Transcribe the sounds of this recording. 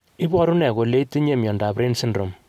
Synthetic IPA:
ɪ˦bɔ˦ɾu˦nɛ˨ko˨le˦i˦ti˦ɲe˦˨mjɔ˨nda˨pɾe˦nsɪ˦ndɾo˨m

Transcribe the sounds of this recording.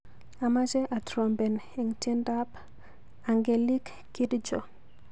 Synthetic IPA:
a˨ma˦d͡ʒɛ˦ʔa˨tɾɔ˨mbɛ˨n | i˨ŋti˦nda˦p | a˨ŋɡe˨li˦kːi˦di˦d͡ʒo˨

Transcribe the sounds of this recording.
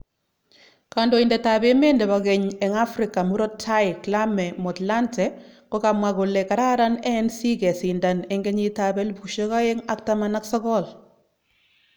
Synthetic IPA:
ka˨ndo˨˦i˨ndɛ˨ta˨be˦me˦ndɛ˨βa˨ɡɛ˨ɲɛ˨ŋa˦fɾɪ˨ka˨mu˦ɾɔ˦tʰa˦jɪkla˦mɛ˨mɔ˨tla˦ntɛkɔ˦ka˨mwa˨ko˨lɛ˨ka˨ɾa˦ɾa˦nɛ˦nsi˦kɛ˨si˨nda˨nɛ˦ŋɡɛ˦ɲi˦ta˨bɛ˦lpu˨ʃe˦ɣa˦e˦ŋa˦k̚tamana˦ksɔ˦kɔ˦l

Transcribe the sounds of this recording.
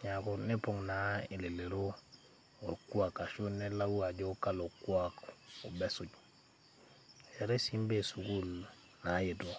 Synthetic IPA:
ɲa˨ko˦ne˦po˨ŋna˨i˨le˨le˨ɾo˦ | o˨ku˦a˨ka˨ʃo˦ne˦la˦wu˦a˨ɟo˦ka˦lo˨kwako˨be˦su˨ɟ | e˨ɾe˦simbe˨su˨ku˦l | na˨˦je˨to˦

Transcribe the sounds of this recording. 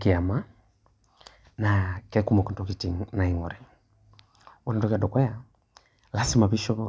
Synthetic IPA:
ki˨a˨ma˦ | nakɛ˦ku˦mɔ˨kɔ˨ntɔki˨tiŋna˨iŋɔ˨ɾɛ˨ | wɔ˦na˨tɔ˦kadɔ˨kwɛ˦ja˨ | la˦si˦ma˨pi˦ʃɔ˦

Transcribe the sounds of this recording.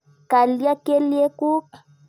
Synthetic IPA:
ka˨lja˦ke˦li˦e˦ku˦

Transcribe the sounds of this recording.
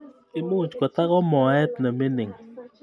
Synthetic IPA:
i˦mu˦˨t͡ʃkɔ˨ta˦kɔ˦mɔ˨ɛ˦t̚nə˨me˦nɪ˨ŋ

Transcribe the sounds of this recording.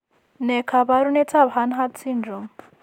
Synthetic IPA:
nɛ˨kʰa˨βa˦ɾunɛ˦t͡sʰa˦bɦa˦nɦa˦t͡sʰinɔ˨m

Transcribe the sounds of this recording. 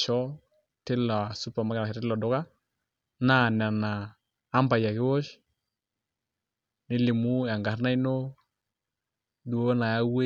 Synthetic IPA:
t͡ʃɔ˦ | tɪ˦la˨su˦pa˨ma˦ɡa˨ɾlɔ˨dɔ˨˦ka˦ | na˦˨na˨naː˨˦ | mba˨ja˨kɪ˦wɔ˦ʃ | nɪ˦lɪ˨mu˦a˨ŋɡa˨ɾna˦i˦no˦ | du˨o˦na˨ja˦we˦

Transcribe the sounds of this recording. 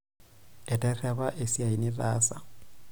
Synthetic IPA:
ɛ˨tʼɛ˦rɛ˦ba˦ʔe˨si˦a˨i˨nɪ˦raː˦sa˨

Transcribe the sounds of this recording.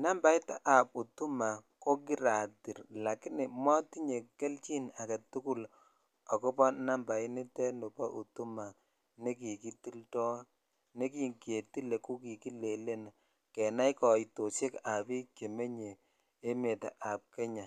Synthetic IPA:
na˦mba˨jta˦ʔa˨p̚u˨tu˦ma˨ko˦ki˦ɾa˨ti˨ɾla˨ki˦nɪ˨mɔ˦ti˦ɲe˨ke˦lt͡ʃi˦na˨ke˨tu˦ku˦l | a˨ko˦pɔ˦na˦mba˨i˦ni˦tɛ˦nu˨pa˦ʔu˨tu˦ma˨ | ne˦k̬i˨ki˦ti˦ltɔ˦ | ne˦ki˦ŋkje˨ti˦le˨ku˦ki˨ki˦le˨le˦na˨ | kɛ˨na˦jkɔ˨i˨to˨t͡ʃe˦ka˨bi˦kje˨me˦ɲeː˨˦ | me˨ta̰˨ʔa˨p̚kɛ˦ɲa˨

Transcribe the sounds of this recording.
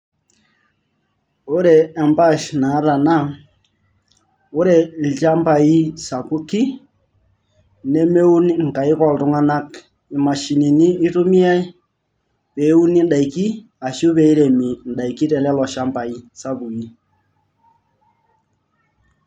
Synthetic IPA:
o˦ɾɛː˨mba˦ʃna˨˦ða˨na˦ | o˦ɾɛ˨l̩˨t͡ʃa˦mpa˨i˦sa˨ku˦ki˦ | nɛ˦me˦u˦ni˦ŋ̩˨ka˨i˦kɔ˦˨ltʊ˦ŋa˦na˦k | i˨ma˨ʃi˨ni˨niː˦tu˦mi˦a˦i˦ | pɛ˨˦u˦ni˦n˦da˨i˨ki˦ | a˨ʃu˦βɛ˨i˦ɾɛ˨mi˨n̩˨ɗa˨i˨ki˦tɛ˨lɛ˦lɔ˨ʃa˦mpa˨i˦sa˦βu˨i˦

